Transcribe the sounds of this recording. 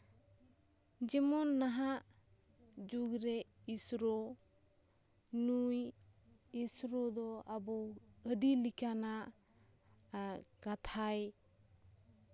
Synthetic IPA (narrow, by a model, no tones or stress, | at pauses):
d͡ʒɛmɔnːaɦaʔ | d͡ʒuɡɾɛisɾɔ | nuj | isɾɔd̪ɔabɔwəɖilikanaʔ | kat̪ʰaj